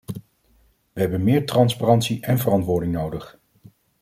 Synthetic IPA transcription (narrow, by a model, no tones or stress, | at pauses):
ʋəɦɛbənmɪːɹtrɑnsparɑntsiʔɛnvərɑntʋʊːɹdɪŋnowdəχ